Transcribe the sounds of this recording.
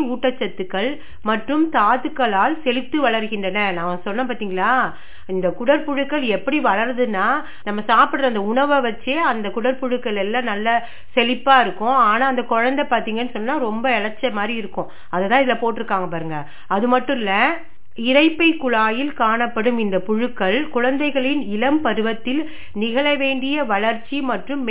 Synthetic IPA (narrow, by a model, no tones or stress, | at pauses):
uːʈːɐt͡ʃːɐt̪ːɯkːɐɭ | mɐʈrɯmt̪aːt̪ɯkːɐɭaːlsɛlɪt̪ːɯʋɐɭɐɾɣɪndrɐnɐnãːʋɐ̃sɔnːɐ̃paːɾt̪iːŋɡɐɭaː | ɪnd̪ɐkʊɽɐɾpʊɻɯkːɐɭɛpːɐɽiʋɐɭɐɾðɯnːaː | nɐmːɐsaːpɪɽɾɐɐnd̪ɐʊɳɐʋɐʋɐt͡ʃːeːɐnd̪ɐkʊɽɐɾpʊɻɯkːɐɭɛlːãːnɐlːɐ | sɛlɪpːaːɪɾɯkːʊ̃aːnaːɐnd̪ɐkɔɻɐnd̪ɐɪpaːɾt̪iːŋɡɐɛnːɯsɔnːnaːɾɔmbɐɛɻɐt͡ʃːɐmaːd̪ɾiɪɾɯkːʊ̃ | ɐðɛt̪ːãːɪðɪlɐpoːʈːɪɾɯkːaːŋɡɐpaːɾɯŋɡɐ | ɐðɯmɐʈːɯ̃ɪlːɐ | ɪɾɐɪpːɐɪkːʊɻaːjɪlkaːɳɐpːɐɽɯmɪnd̪ɐpʊɻɯkːɐɭkʊɻɐnd̪ɐɪɣɐɭɪnɪlɐmpɐɾɯʋɐt̪ːɪl | nɪɣɐɭɐʋeːɳɖɪjɐʋɐɭɐɾt͡ʃːimɐʈrɯmː